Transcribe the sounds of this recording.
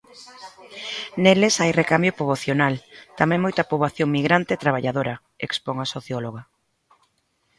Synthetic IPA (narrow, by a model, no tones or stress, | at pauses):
nelesajrekambjopoβoθjonalt̪amẽŋmojt̪ɐpoβaθjoŋmiɣɾant̪eːt̪ɾaβ̞aʎaðoɾɐ | ḛkspoŋasoθjɔloɣa